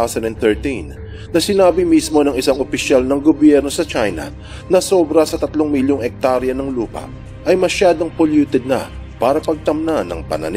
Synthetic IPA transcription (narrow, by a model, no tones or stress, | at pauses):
sɐnɛnθɛɹt̪in | nɐsɪnaːbɪmismo̞nɐŋɪsaŋopɪʃalnɐŋɡobjɛɾno̞sɐt͡ʃajnɐ̰ | nɐso̞bɾɐsɐt̪ɐt̪lo̞ŋmɪljoŋɛk̚t̪aɾjɐnɐŋluːpɐ̰ | ʔɐjmɐʃaːd̪o̞ŋpoljuːt̪ɛd̪̚nɐpaːɾɐpɐɡ̚t̪ɐmnanːɐ̰ŋpɐ̰nɐ̰n